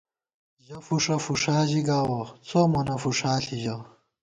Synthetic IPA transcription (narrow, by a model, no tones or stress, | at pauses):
ʑɐfuʂɐfuʂaːʑiɡaːwɐt͡soːmɐnɐfuʂaːɬiʑɐ